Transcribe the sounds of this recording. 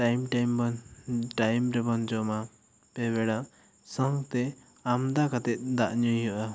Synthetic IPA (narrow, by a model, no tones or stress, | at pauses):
ʈajmʈajm | ʈajmɾɛbɔnd͡ʒɔma | pɛbɛɽa | sɔŋɡt̪ɛ | amd̪akat̪ɛt̪̚d̪aʔɲujɦɔʔa